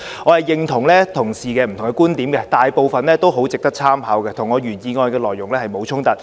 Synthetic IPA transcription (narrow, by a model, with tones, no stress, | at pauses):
ŋɔː˨˧hɐ˨jːɪ˨˧ŋt̪ʰʊ˨˩ŋlɛː˥t̪ʰʊ˨˩ŋsiː˨˩kɛː˧m̩˨t̪ʰʊ˨˩ŋkɛ˧kuː˥nt̪iː˨˥mkɛ˧t̪aː˨jpo˨˧wfɐ˨nlɛː˥t̪o˥wɦo˨˥wt͡sɪ˨k̚t̪ɐ˥k̚t͡sʰaː˥mɦaː˨˥wkɛː˧t̪ʰʊ˨˩ŋːɔː˨˧ɥyː˨˩njiː˨˧ŋɔː˧jkɛː˧lɔː˨jːʊ˨˩ŋlɛː˥hɐ˨jmo˨˧wt͡sʰʊ˥ŋt̪ɐ˨˥t̚